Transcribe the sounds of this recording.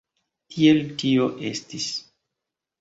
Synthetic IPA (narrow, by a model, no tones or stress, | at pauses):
tʰie̞ltio̞ʔe̞̰stis